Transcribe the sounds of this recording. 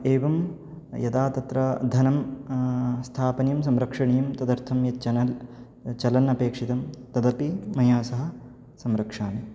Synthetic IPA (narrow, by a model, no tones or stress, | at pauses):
eːʋɐm | jɐt̪aːt̪ɐt̪ɾɐd̪ʱɐnɐm | st̪ʰaːpɐnjɐmsɐmɾɐkʂɐɳijɐmt̪ɐd̪ɐɾt̪ʰɐmjɐt͡ʃɐnɐl | t͡ʃɐlɐnɐpeːkʂit̪ɐmt̪ɐd̪ɐpimɐjaːsɐɦɐ̆ | sɐmɾɐkʂaːni